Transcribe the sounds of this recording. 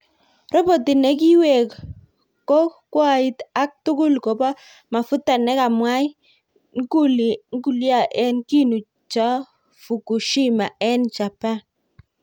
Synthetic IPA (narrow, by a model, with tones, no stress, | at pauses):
ɾɔ˦bo˨ti˨nɛ˦ki˦we˨k | kɔ˦kwa˦i˦ta˦k̚tʊ˦kʊ˦lko˨ba˦ | ma˨fʊ˦ta˨nɛ˦ka˨mwa˦j | ŋ˦ku˦lŋ˦ku˨lja˦˨ʔɛ˦nki˦nu˨ | t͡ʃa˦ | fu˨ku˨ʃi˦ma˨ɛ˦nt͡ʃa˨pa˦˨n